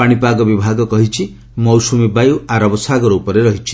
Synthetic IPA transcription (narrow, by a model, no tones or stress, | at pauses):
aɽ̃ipaɡɔbibʱaɡɔkɔɦit͡ʃʰi | mɔwsumebajuaɾɔbɔsaɡɔɾɔupɔɾeɾɔɦit͡ʃʰi̥